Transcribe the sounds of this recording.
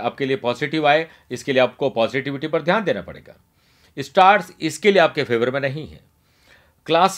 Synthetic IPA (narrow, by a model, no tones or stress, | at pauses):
aːp̚keliepɔːzɪʈɪʋaːe | ɪskelieaːp̚kopɔːzɪʈɪʋɪʈipɐɾd̪ʱjaːnd̪eːna̰pɐ̰ɽḛːɡa̰ː | ɪsʈaːɾʈsɪskelieaːp̚kefʰeːʋəɾmẽnɐɦĩɦɛ̰̃ː | klaːs